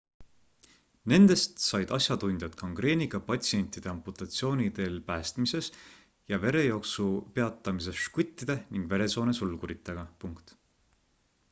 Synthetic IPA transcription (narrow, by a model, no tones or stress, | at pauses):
ne̞nd̪e̞st̪sɑjd̪̥ɑsʲjɑt̪unʲd̪̥ʲjɑt̪kɑŋɡ̥re̞ːniɡ̥ɑpɑt̪ʲsienʲt̪id̪̥e̞ɑmput̪ˑɑt̪sio̞ːnʲid̪e̞lpæːst̪mise̞s | jɑve̞ɾe̞jo̞ksupe̞ɑt̪ˑːɑmis̬e̞sʃkut̪ʲˑːid̪̥e̞niŋɡ̥ve̞ɾe̞so̞ːnesulɡuɾit̪ːˑeɡ̥ɑpuŋkt̪